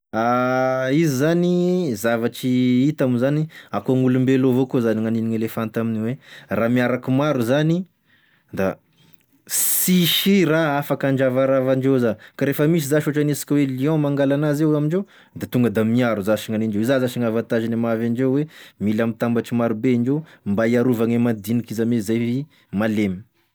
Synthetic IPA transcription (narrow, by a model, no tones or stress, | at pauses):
aizizanizavaʈ͡ʂiit̪amizaniakaŋulumbelovokuzaniŋaniniŋelefãnt̪aminiweramiaɾakumaɾuzani | d̪a | siʃiraafakaɳd͡ʒavaɾavaɳɖ͡ʐezakaɾefəmis̬izaʃuaʈ͡ʂanisi̥kʲweliãmaŋɡalanazewaminɳd͡ʒew | d̪at̪uŋɡəd̪amiaɾuzaʃiŋaniɳɖ͡ʐewizazaʃiŋavat̪aʒinimavaɳɖ͡ʐewwemilamit̪ambaʈ͡ʂimaɾubeiɳɖ͡ʐembaiaɾuvaŋemad̪inikizamezaji | malemi̥